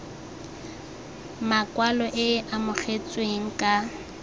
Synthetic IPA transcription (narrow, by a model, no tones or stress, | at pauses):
makʼwalɔʔɪʔamʊχʰet͡sʼweŋ̩kʼa